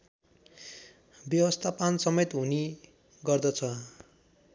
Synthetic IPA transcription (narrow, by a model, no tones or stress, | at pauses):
bjʌwʌst̪ʰapansʌmet̪ɦuni | ɡʌrd̪ʌt͡sʰʌ